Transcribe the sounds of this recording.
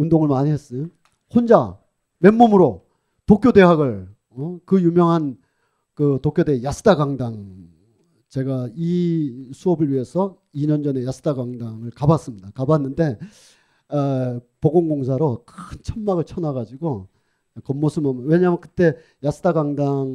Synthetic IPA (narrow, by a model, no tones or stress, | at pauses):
undoŋɯɭmaɲiɦes͈ɯ | hond͡ʑa̰ | me̞mːomɯɾo | tokʰjode̞ɦaɡɯɭ | ʌkɯjumjʌŋɦan | kɯtokʰjode̞jasʰɯ̥t͈ʰaɡaŋdaŋ | t͡ɕe̞ɡaisʰuʌbɯɭɥiɦe̞sʰʌ | iɲʌnd͡ʑʌne̞jasʰɯ̥taɡaŋdaŋɯɭkabas͈ɯmɲidakabanːɯnde̞ | poɡoŋɡoŋsʰaɾokʰɯnt͡ɕʰʌnmaɡɯɭt͡ɕʰʌnaɡad͡ʑiɡo | kʌmːosʰɯmʌmwe̞ɲaːmjʌnkɯ̥t͈e̞ | jasʰɯ̥tʰaɡaŋdaŋ